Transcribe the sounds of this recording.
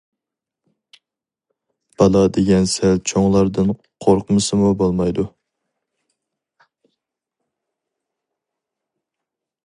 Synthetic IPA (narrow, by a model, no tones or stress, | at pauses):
b̥ɑlˠɑd̪eɡʲɛnsɛlt͡ʃʰoŋlˠɑɾd̪ɨn | qʰoɾqʰəmɨsɨmubolˠmɑjd̪u